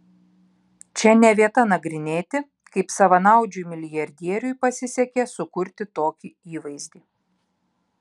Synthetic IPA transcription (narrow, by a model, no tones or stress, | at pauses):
t͡ʃʲɛnʲɛʋʲiɛt̪ɐnɐɡɾʲɪnʲeːt̪ʲɪ | kɐɪpsɐʋɐnɐˑʊd͡ʒʲʊjmʲɪlʲɪjɐɾʲd̪ʲiɛɾʲʊjpɐsʲɪsʲɛkʲɛsʊkʊɾʲt̪ʲɪt̪oːkʲiiːʋɐɪzʲd̪ʲiː